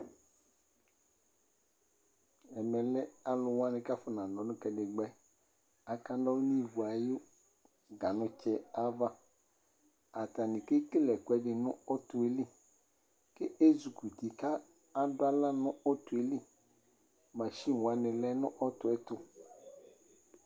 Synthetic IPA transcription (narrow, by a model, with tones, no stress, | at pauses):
ɛ˨mɛ˨lɛ˦a˨lʊ˨wa˦nɪ̃˨ka˦fʊ˨nã˨lɔ˨˦nʊ̃˦kɛ˨dɪ˨ɡ͡bɛ˦ | a˨ka˦dɔ˦nĩ˦˨vu˨a˨jʊ˦ | ɡa˨nʊ̃˨t͡ʃɛ˦a˦va˦ | a˨t̪a˨nɪ̃˨kɪ˦kɪ˦lɛ˨kʊ˨ɛ˨˦dɪ˨nʊ̃˦ɔ˦tʊ˨e˦li˦ | ke˦e˦zu˨ku˨t̪i˨ka˦ | a˨dʊ˦a˦la˦nʊ̃˦ɔ˦tʊ˨e˨li˦ | ma˨ʃi˦˨wa˨nɪ̃˨lɛ˦nʊ̃˦ʔɔ˦tʊ˨ɛ˦t̪ʊ˦